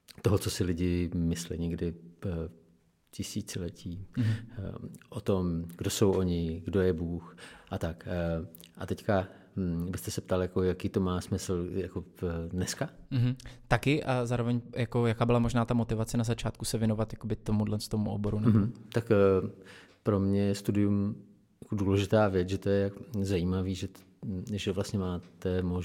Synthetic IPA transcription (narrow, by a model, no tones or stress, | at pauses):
t̪oɦot͡sosɪlɪɟɪmɪslɪ̰ɲɛɡdɪ | cɪsiːt͡sɪlɛcʰiː | ʔot̪o̞mɡdosowʔoɲɪɡdo̞jɛbuːxʔat̪ak | ʔat̪ɛcka | bɪst̪ɛsɛp̚t̪aljako̞jakiːt̪o̞maːsmɪsl̩jakodnɛskam̩ɦm̩t̪akɪʔazaːɾovɛɲjakojakaːbɪlamo̞ʒnaːt̪amo̞t̪ɪvat͡sɛnazat͡ʃaːt̪kusɛvjɛno̞vat̪jako̞bɪt̪omudlɛnst̪omuʔo̰bo̞ɾunɛbmot̪ak | pɾo̞mɲɛjɛst̪udɪjum | jḁkoduːlɛʒɪt̪aːvjɛt͡sʒɛt̪ojɛzajiːmaviːʒɛ | ʒɛvlast̪ɲɛmaːt̪ɛmoʒ